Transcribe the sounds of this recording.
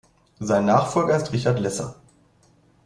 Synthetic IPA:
zaɪnːaːχfɔlɡɐɪstʁɪçatlɛsɐ̰

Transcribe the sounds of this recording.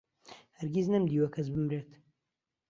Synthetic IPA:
hɐɾɡʲiznɐmd̪iːwɐkʰɐs̬bɨmɾeːt̪

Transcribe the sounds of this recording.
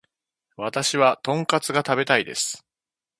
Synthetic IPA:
βat̪aɕiβat̪õ̞ŋkat͡sɨɡat̪abe̞t̪aid̪e̞̰sɨ̥

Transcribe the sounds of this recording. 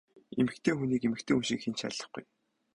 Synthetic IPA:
emɘ̆k̚t̪ʰeːxuniːkemɘ̆kt̪ʰeːxunʃĭkxent͡ɕʰa̰ɮə̆χɡṵj

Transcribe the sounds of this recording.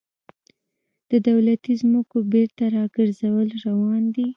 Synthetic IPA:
d̪̥əd̪awlat̪izməkobeɾt̪aɾɑɡəɾzawəlɾawɑnd̪i

